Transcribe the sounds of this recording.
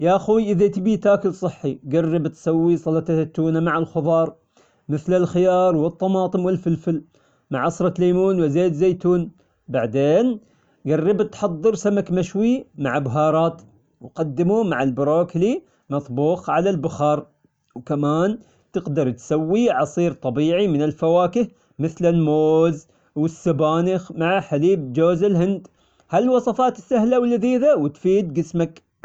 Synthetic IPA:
jaʔaxuːjʔɪðat̪ɪbit̪aːkɪlsˤɨħːiɡarːɪbt̪sawːisˤɑlɑt̪at̪ːuːnamaʕalxʊðˤɑːɾˤ | mɪθlɪlxɪjɑːɾˤwɨt̪ˤːɑmɑːt̪ˤɨmwɪlfɪlfɪl | maʕɑsɾˤɑleːmuːnwɪzeːt̪zeːjt̪uːn | baʕd̪eːn | ɡarˤːɪbt̪ħɑd̪ˤːɨɾsamakmaʃwimaʕbɦɑːɾˤɑːt̪ | wqɑd̪ːɪmumaʕalbʊɾˤoːkli | mɑt̪ˤbuːxʕalalbʊxɑːɾˤ | wkamaːn | t̪ɪɡd̪ɑɾˤt̪sawːiʕɑsˤiːɾt̪ˤɑbiːʕimɪnɪlfawaːkɪh | mɪθlɪlmoːz | wɪsːabaːnɪxmaʕaħaliːb̚d͡ʒoːzɪlɦɪnd̪ | halwɑsˤɑfɑːt̪ɪsːahlawɪlːðiːðawɪt̪fiːd̪ɡɪsmak

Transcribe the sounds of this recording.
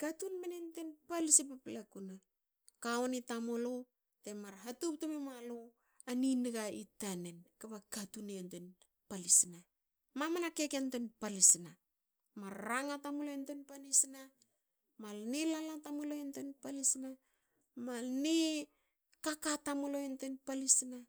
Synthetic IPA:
ɡ̥atunmenentenpalisipaplekuna | kaonitamolo | temaɾɦatup̚tamemalo | aniniɡaitanenkapaɡatunenten | palisina | mamanakekentenpalisina | maɾːaŋatamoloentenpanisina | malnelalatamoloentenpalisina | malne | kakatamoloentenpalisina

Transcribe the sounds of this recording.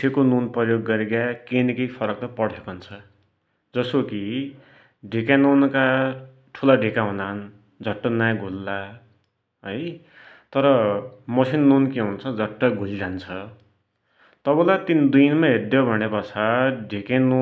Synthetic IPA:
ekonunprʌjoɡːʌɾeɡakenikʌjpʰʌɾʌk̚t̪ʌpʌɽ̤ekʌnt͡sʰʌ | d͡zʌsoki | ɖʱikanonka | ʈʰulaɖʱekaɦũnan | d͡zʱʌʈːʌnajɡʱulːa | ɦʌj | t̪ʌɾʌmʌsʰinːunkeɦunt͡sʰʌd͡zʱʌʈːʌɡʱuld͡zant͡sʰʌ | t̪ʌbʌlat̪ind̪inmaɦerd̪jobʱʌnepʌt͡sʰaɖʱikano

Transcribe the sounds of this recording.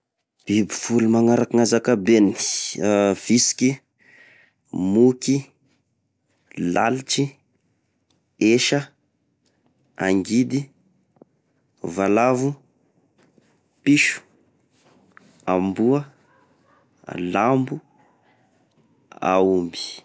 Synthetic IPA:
b̥ibifulumaŋaɾakaŋazakabeni̥ | v̥isi̥kʲi | muki | la̰lit͡ʃi | eʃə | a̰ŋɡid̪i | valavu | piʃu̥ | a̰mbuə | lambu | a̰umbi̥

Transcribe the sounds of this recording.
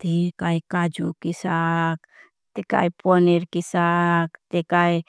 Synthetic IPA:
t̪ikaikad͡ʒukisak | t̪eka̰iponiɾkisakt̪ekai

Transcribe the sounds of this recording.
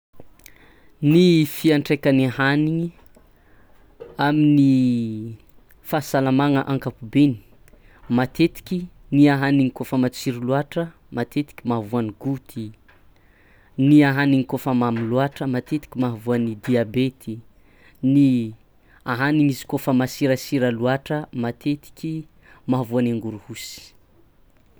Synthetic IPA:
nifiaɳʈ͡ʂekaniahaniŋi | amini | fasalamaŋəʔaŋkapubeni̥ | mat̪et̪i̥kʲi | niaɦaniŋikofəmat͡siɾiluaʈ͡ʂə | mat̪et̪i̥kʲimavuaniɡut̪ʰi | niaɦaniŋikofəmamiluaʈ͡ʂəmat̪et̪i̥kʲimaɦavuanid̪iabet̪ʰi | ni | aɦaniŋizi̥kofəmasiɾasiɾaluaʈ͡ʂəmat̪ʰet̪i̥kʲi | maɦavuanaŋɡuɾuhusi̥

